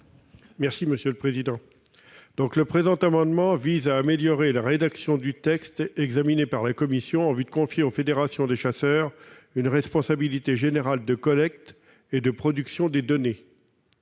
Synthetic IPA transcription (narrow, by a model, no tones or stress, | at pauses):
mɛʁsiməsjøləpχezid̪ɑ̃ | d̪̥ɔ̃kləpχezɑ̃t̪amɑ̃d̪mɑ̃vizaːmeljɔʁelaʁed̪aksjɔ̃d̪yt̪ɛkst̪ɛɡzaminepaʁlakɔmisjɔ̃ɑ̃vyd̪əkɔ̃fjeofed̪eʁasjɔ̃d̪eʃasœːʁynʁɛspɔ̃sabilit̪eʒeneʁald̪əkɔlɛk̚t̪ | ed̪əpχɔd̪yksjɔ̃d̪ed̪ɔne